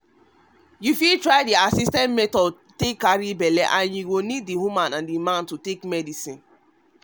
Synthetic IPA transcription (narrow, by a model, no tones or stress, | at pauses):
jufiltɹaɪdiasistɛ̃ntmɛtɔ | tekːaɹibɛlɛ̰ʔãnjuɡonid̚ːihumãnãndimãntutekmɛdisĩn